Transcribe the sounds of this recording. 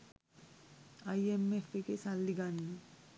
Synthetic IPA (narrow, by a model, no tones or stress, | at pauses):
ɐjemːefekesalːiɡanːe